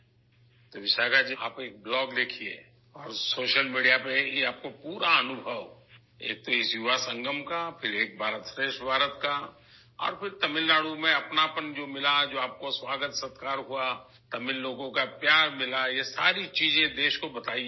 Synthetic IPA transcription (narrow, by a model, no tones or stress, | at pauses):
t̪oʋɪʃaɡad͡ʒa̰ːpeːk̚blɔːɡlɪkʰiḛː | ɔːɾsoːʃəlmiːɖijapeeaːp̚kopuːɾaɐnʊbʱəʋ | ḛːk̚t̪oɪsjuʋasə̃ŋɡəmkapʰɪɾeːk̚bʱaːɾət̪fɾeːʃʈbʱaːɾət̪ka | ɔ̰ːɾpʰɪɾt̪ɐmɪlːaːɽumẽɐpnapənd͡ʒoːmɪlad͡ʒoːaːp̚koswaːɡət̪sət̪kaːɾɦua | t̪ɐmɪlːoːɡõkapjaːɾmɪlajesaːɾit͡ʃiːzẽd̪eːʃkobɐt̪aːi